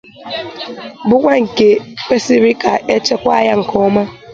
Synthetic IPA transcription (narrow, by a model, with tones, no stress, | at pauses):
bʊ˦kʷa˦ŋ̩˨ke˦k͡pe˦si˦ɾi˦ka˨e˦t͡ʃe˦kʷa˦ja˦ŋ̩˨kʰɔ˦ma˦